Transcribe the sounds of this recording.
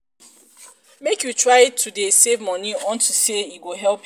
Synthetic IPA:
mekjutɹaɪtʰudesevmɔniɔ̃ntʰuseiɡoɦɛlp

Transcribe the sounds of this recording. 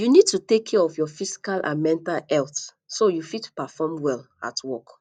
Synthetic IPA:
junid̚tutekʰːɛɔfjɔfisi̥kalʔã̰nmɛ̃ntalɛlθ | sojufidtu̥pafɔmwɛl | a̰tʰwɔk

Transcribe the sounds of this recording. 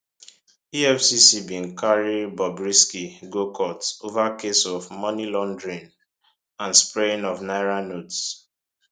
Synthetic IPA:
iɛfsisibĩnkʰaɹibɔbɹiskiɡokʰɔtovakesɔvmɔnilɔ̃ndɹĩn | ãnspɹẽnɔvnaɪɹanots

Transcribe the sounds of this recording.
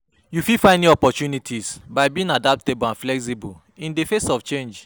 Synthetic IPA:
jufifãɪndĩɔpɔt͡ʃunitʰisbaɪbiĩŋadap̚tebãnflɛks̬ibɔl | ĩndefesɔft͡ʃẽnd͡ʒ

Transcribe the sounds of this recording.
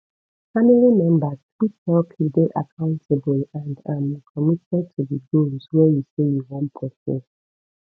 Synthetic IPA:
familimɛ̃mbazkitɛlpʰideʔakʰãʊ̃ntʰeblãndãmĩkʰɔmitɛ̃ndtʰudiɡolzwɛjusejuwɔ̃mpʰɔsɛ̰s

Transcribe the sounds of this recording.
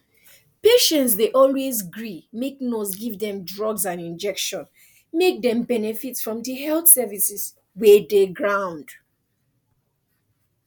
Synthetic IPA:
peʃɛ̃ntsdeʔɔlwezɡɹimek̚nosɡivdɛ̃mdɹɔɡzãnĩnd͡ʒɛkʃɔ̃n | mek̚dɛ̃mbɛnɛfitsfɹɔ̃mdəɦɛlθsɛvisis | wɛdeɡɹãʊ̃nd̥

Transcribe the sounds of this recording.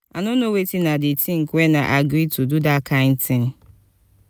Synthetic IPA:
anonowetinadɪtʰĩŋ̩kwena̰ʔaɡɾitududakʰãɪ̃ntɪ̃ŋ

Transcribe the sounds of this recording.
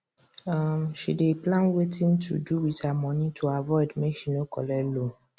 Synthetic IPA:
amʃḭdeplãnwetĩntʰṵduwitamɔ̃nĩtʰuavɔɪdmɛʃĩnokɔlɛlo

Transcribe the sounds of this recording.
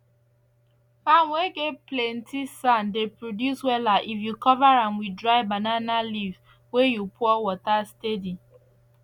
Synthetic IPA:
fanweɡeplɛntisandepɹodjuswɛlaʔifjukɔvaɹamwidɹaɪbananaliv | wejupʰɔɔwɔtastedi

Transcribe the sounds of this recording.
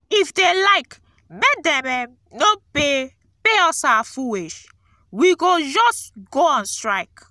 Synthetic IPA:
ifdelaɪk | medɛ̃mɛ | nope | peɔsawafuweʃ | wiɡod͡ʒɔstɡoɔ̃nstɹaɪk

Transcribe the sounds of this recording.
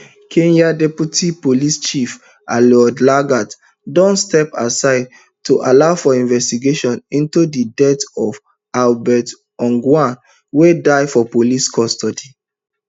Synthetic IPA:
kʰẽnjadɛpjutʰipolist͡ʃif | a̰lɔdlaɡat | dɔ̃nstɛpasaɪd̚ | tuʔalaʊfɔĩnvɛstiɡeʃɔ̃nĩntudidɛtɔv | albɛt | ɔ̃ŋɡwãn | wedaɪfɔpoliskʰɔstɔdi

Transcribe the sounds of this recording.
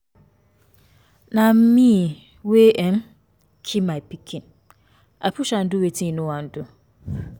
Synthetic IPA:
nãm̩mĩ | weʔɛm | kʰimãpʰikʰĩn | ʔapʰuɕan̩dʊwetʰĩnʊ̃wãn̩dʊ

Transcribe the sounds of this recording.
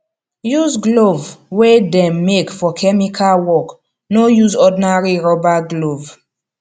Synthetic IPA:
juzɡlovwedɛ̃mːekfɔkʰɛmikʰalwɔk | nojuzɔdinaɹiɹɔbaɡlov

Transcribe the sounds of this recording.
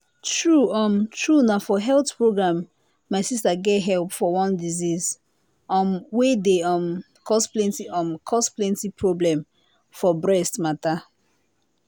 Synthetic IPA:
tɹuɔ̃mtʰɹunafɔɦɛlθpɹoɡɹãmː | aɪsistaɡɛtɦɛlpfɔwɔ̃ndiziz | ɔmwedeɔm | kʰɔsplɛ̃ntiɔ̃mkʰɔsplɛ̃ntipʰɹoblɛ̃m | fɔbɹɛstmata

